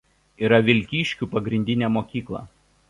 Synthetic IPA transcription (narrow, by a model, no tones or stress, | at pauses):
iːɾɐʋʲɪlʲkʲiːʃʲkʲupɐɡɾʲɪnʲd̪ʲɪnʲeːmoːkʲiːklˠɐ̰